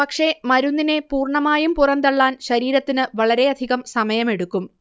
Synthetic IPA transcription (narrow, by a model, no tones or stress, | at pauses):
pɐkʂe̞mɐɾunːine̞puːrɳɐmaːjumpurɐnd̪ɐɭːaːnɕɐɾiːɾɐt̪ːinɨʋɐɭɐɾe̞ɐd̪ʱiɣɐmsɐmɐjɐme̞ɽukːum